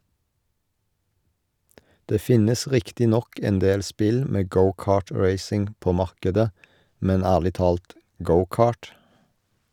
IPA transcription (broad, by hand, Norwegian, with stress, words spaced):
ˈdeː ˈfɪnəs ˈʁɪktɪ ˈnɔk ɛnˈdeːl ˈspɪl ˈmeː ˈɡəʊˌkɑːˌʈɹeɪsɪŋ ˈpoː ˈmɑʁkədə ˈmɛn ˈæːʁlɪ ˈtɑːlt ˈɡəʊˌkɑːʈ